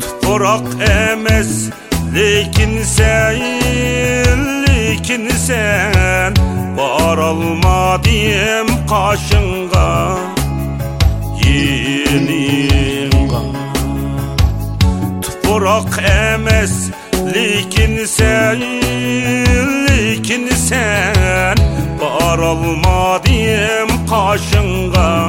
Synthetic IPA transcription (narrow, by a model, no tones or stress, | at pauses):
t̪ʰʊ̥qoɾɑqɛmɛs | lekʲɪnsɛj | lːɪkʲʰinsɛ | bɑɾɑlˠmɑd̪ɪjɛmqʰɑʃɨɴ | ʁɑ | jenɪj | t̪ʰʊ̥qʊɾɑqʰɛmɛs | lɪkʲɪnsɛ | lɪkʰʲinsɛ | nbɑɾɑlˠmɑd̪ɪjemqʰɑʃɨɴ | ʁɑ